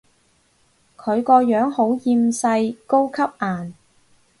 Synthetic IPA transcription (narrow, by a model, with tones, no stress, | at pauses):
kʰɵ˨˧ɥkɔː˧jœː˨˥ŋho˨˥wjiː˧msɐ˧jko˥wkʰɐ˥p̚ʔaː˨˩n